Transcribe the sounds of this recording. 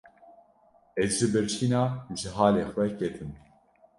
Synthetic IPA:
ɛzʒɨbɨɾt͡ʃʰiːnɑːʒɨɦaːleːxʷɛkɛt̪ʰɨm

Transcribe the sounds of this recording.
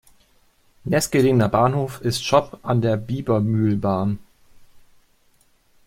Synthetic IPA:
nɛsɡ̥əʁɪŋnɐbaːnhoːfɪstʃɔpʰʔandeːɐbiːbɐmyːlbaːn

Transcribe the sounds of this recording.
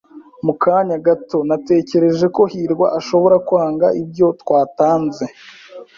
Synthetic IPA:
mukaɲaɡato̞nate̞ːce̞ɾe̞ʒe̞ko̞hiːɾɡwa̰ʔaʃo̞βo̞ɾakuaːŋɡaʔibɟo̞twaːtaːnze̞

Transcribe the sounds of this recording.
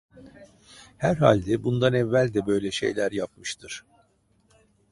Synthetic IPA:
hæɾɦa̰lʲd̪ɛbund̪anɛvːælʲd̪ɛbø̞jlʲɛʃe̞̰jlʲæɾjap̚mɯʃt̪ʰɯɾ̥

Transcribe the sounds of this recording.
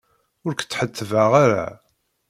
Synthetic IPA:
ʊɾkt͡sːħət̪ːəvaʁaɾa̰

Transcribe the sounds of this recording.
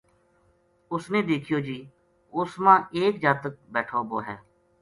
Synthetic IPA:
ʊsneːd̪eːkʰɪjoːd͡ʒiː | ʊsmãːʔeːk̚d͡ʒaːt̪ək̚bɛːʈʰoːbo̰ːɦɛː

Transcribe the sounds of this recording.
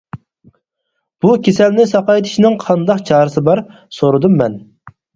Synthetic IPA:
b̥ukʲʰesɛlnɪsɑqɑjt̪ʰɪ̥ʃnɪŋqʰɑnd̪ɑqt͡ʃʰɑːɾɨsɨbɑɾ | soɾɨd̪umːɛn

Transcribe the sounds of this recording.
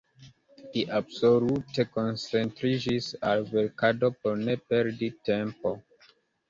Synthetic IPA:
diʔabsolute̞konsentɾid͡ʒisalweɾkado̞poɾnepeɾditempo

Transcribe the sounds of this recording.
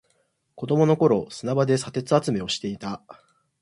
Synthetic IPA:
ko̞d̪o̞mo̞no̞ko̞ɾo̞sɨnabad̪e̞sat̪e̞t͡sɨat͡sɨme̞o̞ɕi̥t̪e̞it̪a

